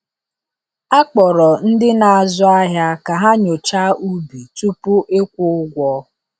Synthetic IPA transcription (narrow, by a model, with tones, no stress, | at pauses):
a˦k͡pɔ˨ɾɔ˨n̩˦dɪ˦na˨a˨zʊ˦a˦ɦja˦ka˨ɦa˦ɲo˨t͡ʃa˦u˦bi˨tu˦pʊ˦ʔe˦kʷʊ˦ʊ˦ɡʷɔ˦